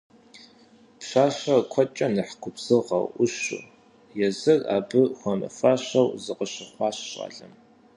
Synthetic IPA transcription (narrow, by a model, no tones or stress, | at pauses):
pɕʷaːɕɐkʷʰɔt͡ʃʼɐnɨħkʷʰʊpz̥ɨʁɐ̰wʊɕʊ̰ | jɛzɨra̰ːbɨxʷɔmɐ̰faːɕɐwzɨqəɕɪχʷɑːɕɕʼa̰ːɮɐm